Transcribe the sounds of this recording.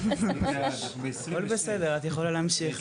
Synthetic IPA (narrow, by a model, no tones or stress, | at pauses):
aolbesed̪e̞ʁat̪jaχolaleamʃiχ